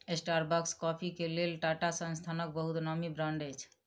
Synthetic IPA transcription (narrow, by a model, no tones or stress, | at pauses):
esʈaɾbakskɔpʰikelelʈaʈasə̃nst̪ʰanɔk̚bəɦut̪nɔmibɾãɳɖejt͡ʃʰ